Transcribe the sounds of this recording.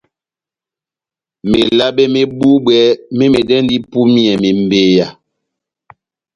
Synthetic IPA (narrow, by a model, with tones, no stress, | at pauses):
me˨la˦be˦me˦ɓu˦ɓwɛ˨˦me˦me˨dɛ˦n˦di˦pu˦mi˦ɛ˨me˨m̩˨be˨ja˨